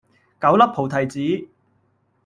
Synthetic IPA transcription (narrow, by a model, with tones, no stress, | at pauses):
kɐ˨˥wlɐ˥p̚pʰo˨wt̪ʰɐ˨jt͡siː˨˥